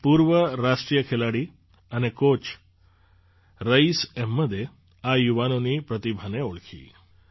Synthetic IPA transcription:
puːɾʋəɾaʂʈɾijəkʰelaɽiː | anekot͡ɕ | ɾəisemːəd̪ʱːje | ajuʋanoniːpɾət̪ibʱaneoɭkʰḭː

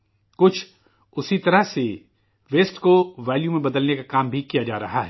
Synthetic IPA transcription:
kʊt͡ʃʰ | ʊsit̪ɐɾəɦse | ʋeːsʈkoʋɛːljũmẽbɐd̪əlnekakaːmbʱikijad͡ʒa̰ːɾɐ̰ɦaɦɛ

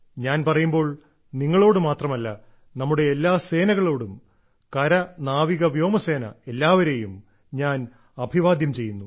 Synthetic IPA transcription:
ɲaːnpɐrɐjumbo̞ːɭ | niŋːɐɭo̞ːɽɨmaːt̪rɐmɐlːɐ | nɐmːuɽe̞ːlːaːse̞ːnɐɣɐɭo̞ːɽum | kɐɾɐnaːʋiɣɐʋjo̞ːmɐse̞ːnɐ̰e̞lːaːʋɐɾe̞jum | ɲaːn | ɐbʱiʋaːd̪jɐmt͡ɕe̞jːunːu

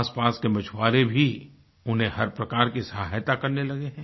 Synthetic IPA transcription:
spaːskemɐt͡ʃʰwaːɾebʱi | ʊnɦẽhɐɾpɾɐkaːɾkisɐɦajt̪akɐɾnelɐɡeɦɛ̃

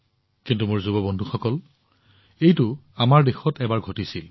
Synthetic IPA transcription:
kintumʊɹzubɔbɔndʱuxɔkɔl | ejtʊ | amaɹdexɔtɛbaɹɡʱotisil

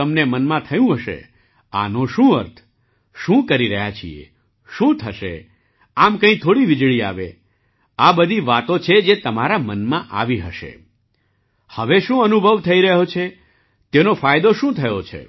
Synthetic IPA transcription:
əmnemənmãt̪ʰəjũɦəʃḛ | a̰noʃũəɾt̪ʰ | ʃũkəɾiɾəɦjat͡ʃʰḭḛ | ʃũt̪ʰəʃḛ | amkə̃ĩt̪ʰoɽiʋɪd͡ʒɭia̰ʋḛ | abəd̪ʱiʋat̪ot͡ʃʰed͡ʒet̪əmaɾamənmãʔa̰ʋiɦəʃḛ | həʋeʃũənubʱəʋt̪ʰəiɾəɦot͡ʃʰe | t̪enofajd̪oʃũt̪ʰəjot͡ʃʰḛ

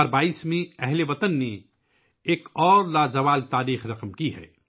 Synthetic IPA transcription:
ɾbaːiːsmẽɛɦleʋɐt̪ənːe | eːkɔːɾlaːzɐʋaːlt̪aːɾiːxɾɐqmkiɦɛ̰ː

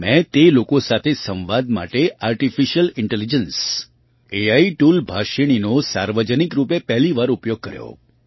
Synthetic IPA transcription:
mɛ̃t̪elokosat̪ʰesə̃ʋʋad̪ma̰ʈeaɾʈifiʃəlɪɳʈelid͡ʒəns | eaiʈulbʱaʃiɽ̃inosaɾʋəd͡ʒənikɾupepɛɦliʋaɾupjoɡ̚kəɾjo̰

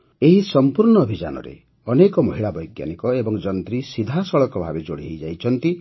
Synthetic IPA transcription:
eɦisɔmpuɾɳɔːbʱid͡ʒa̰nɔ̰ɾḛ | ɔnekɔmɔɦiɭabɔjɡja̰nikɔebɔŋd͡ʒɔnt̪ɾisid̪ʱasɔɭɔkɔbʱabed͡ʒoɽiɦejd͡ʒajt͡ʃʰɔnt̪i

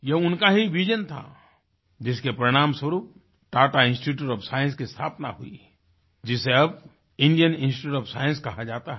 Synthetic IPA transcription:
jeɦʊnkaɦiʋid͡ʒənt̪ʰa̰ | d͡ʒɪskepɾəɽ̃aːmswəɾuːp̚ | ʈaːʈaɪ̃nsʈiʈuːʈɔːpsaːjə̃nskist̪ʰa̰ːpna̰ɦʊḭ | d͡ʒɪseɐb | ɪ̃ɳɖijənɪ̃nsʈɪuːʈɔːpsaːjə̃nskɐɦad͡ʒaːt̪aɦɛ

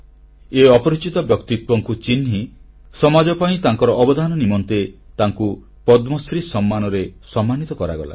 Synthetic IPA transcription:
eɔpɔɾit͡ʃit̪ɔbjɔkt̪it̪wɔŋkut͡ʃinɦi | sɔmad͡ʒɔpaĩt̪aŋkɔɾɔʔːbɔd̪ʱanɔnimɔnt̪e | t̪aŋku | pɔd̪mɔsɾisɔmːanɔɾesɔmːanit̪ɔkɔɾa̰ɡɔla̰

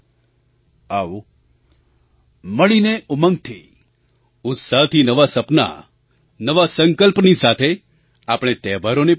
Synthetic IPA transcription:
aʋo | məɭineʊmə̃ŋɡ̚t̪ʰḭ | ʊt̪saɦt̪ʰinəʋasəpna̰ | nəʋasəŋkəlpnisat̪ʰe | apɽ̃et̪ɛbaɾonep

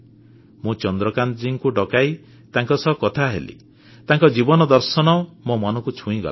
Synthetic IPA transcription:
mũt͡ʃɔnd̪ɾɔkand͡ʒiŋkuɖɔkaj | t̪aŋkɔsɔɦkɔt̪ʰaɦḛlḭ | t̪aŋkɔd͡ʒibɔnɔd̪ɔɾsɔnɔmomɔnɔ̃ŋkut͡ʃʰũĩɡɔ̰l

